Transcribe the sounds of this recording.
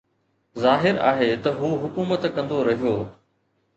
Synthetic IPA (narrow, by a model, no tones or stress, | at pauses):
zaːɦɪɾa̰ːɦet̪ɐɦuːɦʊkuːmət̪kɐ̃nd̪oɾɐɦijoː